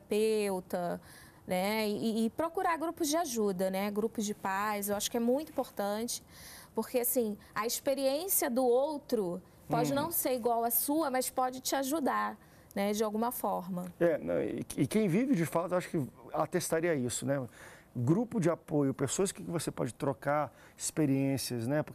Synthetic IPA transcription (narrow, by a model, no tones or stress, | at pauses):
ɾapewt̪ɐ | nɛɪːpɾokuɾaɾɡɾupʊzd͡ʒɪaʒud̪ɐnɛɡɾupʊzd͡ʒɪpajzewaʃʊ̥kɪɛmũj̃t̪ʊĩpoɾt̪ɐ̃t͡ʃɪ̥pʊɾkeasĩ | ɐispeɾiẽsiɐd̪ʊowt̪ɾʊ | pɔd͡ʒɪnɐ̃w̃seɾiɡwawɐsuɐmɐspɔd͡ʒɪt͡ʃɪaʒud̪aɾ | nɛd͡ʒɪawɡũmɐfɔɾmɐɛɛ̰ɪkẽj̃vivɪd͡ʒɪfat̪ʊewaʃʊ̥kɪat̪est̪aɾiɐisʊnɛɡɾupʊd͡ʒɪapojʊpesoɐskɪkɪvosepɔ̰d͡ʒɪt̪ɾokaɾ | ɪspeɾiẽsiɐznɛpʊ